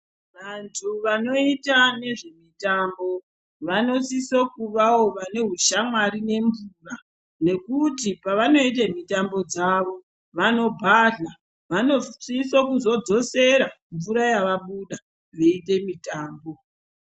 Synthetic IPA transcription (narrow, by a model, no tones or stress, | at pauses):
ʋantʰuʋano̞itane̞ʐe̞mitambo̞ | ʋano̞sisokuʋawoʋane̞ɦuʃamwaɾine̞ɱvuːra | ne̞kutipaʋano̞it̬emitambo̞d͡zaʋo | ʋano̞bʱaɮa | ʋano̞sisokuzo̞d͡zo̞se̞ɾa | ɱvuɾajaʋaɓuɗa | ʋe̞ite̞mitaːmbo̞